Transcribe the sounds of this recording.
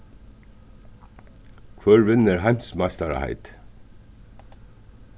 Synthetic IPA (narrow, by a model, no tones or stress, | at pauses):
kʰʋœːɹʋɪnəɾhæɪmsmɑst̪ɑɾɑ̰hæ̰ɪt̪